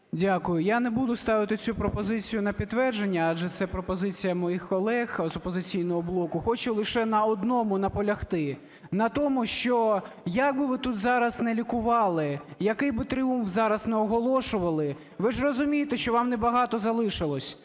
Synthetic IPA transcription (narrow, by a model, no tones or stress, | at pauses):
dʲakʊjʊjanɛbud̪ʊst̪ɑʋɪt̪ɪt͡sʲupɾɔpɔzɪt͡sʲijʊnɐpʲit̪t̪ːʋɛrd͡ʒenʲːɐɑd͡ʒʒɛt̪sɛpɾɔpɔzɪt͡sʲijɐmɔjixkɔlˠɛxzɔpɔzɪt͡sʲijnɔɦɔblˠɔkʊxɔt͡ʃʊlˠɪʃɛnɐɔd̪nɔmʊnɐpɔlʲɐxt̪ɪ | nɐt̪ɔmʊʃt͡ʃɔ | jɐk̚bɪʋɪt̪ut̪zɑɾɐznɛlʲikʊʋɑlˠɪjɐkɪjbɪt̪ɾɪumfzɑɾɐznɛɔɦɔlˠɔʃʊʋɐlˠɪ | ʋɪʐrɔzʊmʲijet̪eʃt͡ʃɔʋɑmnɛbɐɦɑt̪ɔzɐlˠɪʃɪlˠɔsʲ